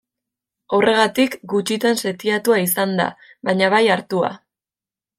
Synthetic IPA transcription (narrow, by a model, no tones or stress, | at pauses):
o̞re̞ɣ̞at̪ikɡut͡ʃit̪anset̪iat̪uais̬and̪a̰ | βaɲaβajaɾt̪ua̰